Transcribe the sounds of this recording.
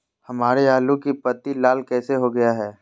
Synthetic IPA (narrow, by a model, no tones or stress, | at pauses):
hɐmaːɾeaːlũkipɐt̪ilaːlkɛːseɦoɡɐjaɦɛː